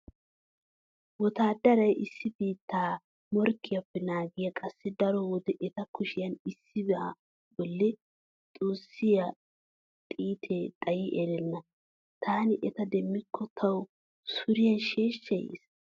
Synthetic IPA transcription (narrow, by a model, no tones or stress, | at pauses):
wɔt̪aːd̪ɐɾɐjʔɪsːɪbiːt̪ːaː | mɔɾkːɪjɐpːɛnaːɡɪjɐkʼɐsːɛd̪ɐɾɔwɔd̪ɛʔɛt̪ɐkʊʃɪjɐnɪsːɪbɛʔɐ | bɔlːɛ | t̪ʼoːsːɪjɐ | t̪ʼiːt̪ʰet̪ʼɐjɪʔɛɾɛnːɐ | t̪ʰaːnɪʔɛt̪ɐd̪ɛmːɪkʰːɔt̪ʰɐw | sʊɾɪjɐnʃe̞ːʃːɐjḛːs